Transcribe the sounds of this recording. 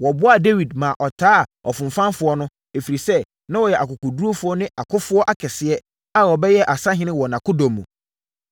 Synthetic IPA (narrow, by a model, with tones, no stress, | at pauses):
wɔ˨bʊ˦a˦de˦wi˨dmã˨ʔɔ˨tʰaː˦˨ɔ˨fʊ̃˨m̩˨fã˦nfʊ˨˦ɔ˦nʊ̃˦ | e˨fi˨ɾi˨sɛ˦ | nã˦wɔ˨jɛ˨ʔa˨kʊ˨kʊ˨du˦o˦fʊ˨˦ɔ˦nɪ̃˦a˨kʰʊ˦fʊ˦ɔ˦ʔa˦kʰɛ˨sɪ˨ɛ˦ | a˦wɔ˨bɛ˦jɛ˦ʔa˨sã˦ɦɪ̃˦nɪ̃˦wɔ˨nã˨kʰʊ˦dɔ̃˨mːṵ̃˨